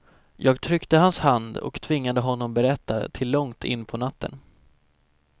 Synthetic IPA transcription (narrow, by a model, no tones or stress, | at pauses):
jɑːɡt̪ʰɾʏkt̪əɦanshand̪ɔ̰kt̪ʰvɪŋːad̪əɦɔnːɔmbɛɾɛt̪ːa̰t̪ʰɪlːɔŋt̪ʰɪ̰nːpʰɔnat̪ːə̰n